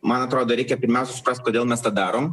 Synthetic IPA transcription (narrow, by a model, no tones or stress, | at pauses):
mɐnɐt̪ɾoːd̪oːɾʲɛɪkʲɛpʲɪɾʲmʲæʊsʲɛsʊ̥pɾɐsʲt̪ʲkoːd̪ʲeːlˠmʲɛst̪ɑd̪ɑːɾoːm